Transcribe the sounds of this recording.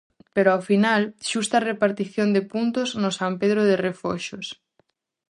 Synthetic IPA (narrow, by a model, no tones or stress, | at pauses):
peɾʊawfinalʃust̪ɐrepaɾt̪iθjond̪epunt̪ʊznʊsampeðɾoð̞erefoʃos